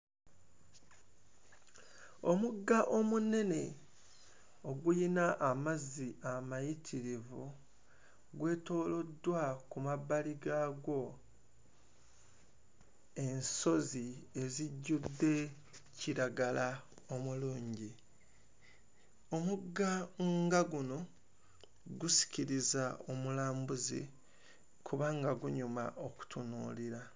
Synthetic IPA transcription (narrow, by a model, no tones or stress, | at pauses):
o̞muɡːaʔomune̞ne̞ | o̞ɡujinaʔːmazːiʔamajitʰiɾivu | ɡwe̞ːto̞ːlo̞dːwakumaβaliɡaɡo̞ | e̞nso̞zie̞ziɟːudːe̞ | ciɾaɡala | o̞muluːɲɟi | o̞muɡːaŋɡaɡuno̞ | ɡusi̥ciɾizao̞mulaːmbuzḭ | kʰuβaːŋɡaɡuɲuma̰ʔo̞ku̥tʰunuːliɾa